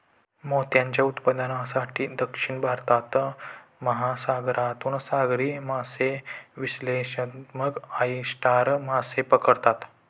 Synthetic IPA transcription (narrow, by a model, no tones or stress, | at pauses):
mot̪jãɲt͡ɕjaut̪pəd̪ənasaʈʰiːd̪əkʂiɳbʱaɾt̪at̪məɦasaɡɾat̪uːnsaɡɾiːmaseʋisleɕəməkaisʈaɾmasepəkəɾt̪at̪